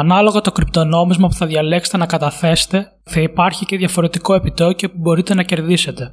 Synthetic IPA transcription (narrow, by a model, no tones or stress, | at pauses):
ɐnɐlo̞ɣot̪o̞kɾipt̪o̞no̞mizmɐpu̥θɐðʝɐle̞kse̥t̪e̞nɐkɐt̪ɐθe̞se̥t̪e̞ | θɐipɐɾçice̞ðʝɐfo̞ɾe̞t̪iko̞e̞pit̪ocopubo̞ɾit̪e̞nɐce̞ɾðise̞t̪e̞